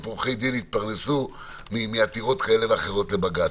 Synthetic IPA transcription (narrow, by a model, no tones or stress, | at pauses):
fuχejd̪init̪̚paʁnesu | mimiat̪iʁo̞t̪kae̞le̞veaχeʁo̞tle̞baɡa